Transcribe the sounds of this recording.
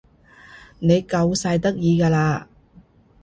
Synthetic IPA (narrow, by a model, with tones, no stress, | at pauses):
ne˨˧jkɐ˧wsɐ˧jt̪ɐ˥k̚jiː˧kaː˧laː˧